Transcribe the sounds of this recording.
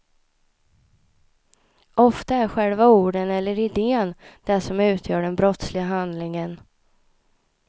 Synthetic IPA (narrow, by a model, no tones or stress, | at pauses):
ʔɔft̪aæɾɧɛlvauːɖənɛlːəɾɪd̪eːənd̪̥æʂɔmʉ̟ːt̪ʰjœːɖɛnbɾɔt̪slɪɡaɦand̪lɪŋən